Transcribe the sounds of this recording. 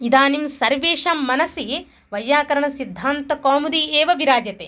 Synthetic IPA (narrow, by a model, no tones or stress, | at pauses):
id̪aːnimsɐɾʋeːʃaːmːɐnɐsi | ʋɐjːaːkɐɾɐɳɐsid̪ʱːaːnt̪ɐkaːmud̪ieːʋɐbiɾaːd͡ʒjɐt̪eː